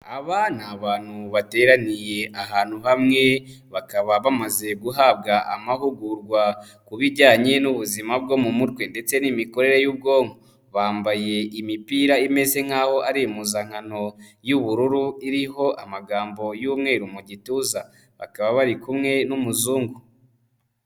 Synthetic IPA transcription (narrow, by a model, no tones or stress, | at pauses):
aβanaβaːn̥huβate̞ːɾanije̞ʔaɦaːn̥huhamŋe̞βakaβaβamaze̞ɡuɦaːb̚ɡaʔa̰maɦuɡuɾɡwa | kuβiɾɟaːɲe̞nuβuzimab̚ɡo̞mumuɾɡwe̞nde̞t͡se̞nimiko̞ɾe̞ɾejuːb̚ɡo̞ːŋho | βaːmbaje̞imipiːɾaime̞ze̞ŋ̥aːho̞ʔaɾimuzaŋ̥hano̞juβuɾuɾuiɾiɦo̞ʔa̰maɡaːmbo̞juːmŋe̞ːɾumuɟituːza | βa̰kaβaβaɾikumŋe̞numuzuːŋɡu